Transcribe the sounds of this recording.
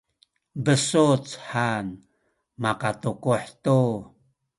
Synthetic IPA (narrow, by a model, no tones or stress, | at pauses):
bəsut͡sħan | makatukuħtu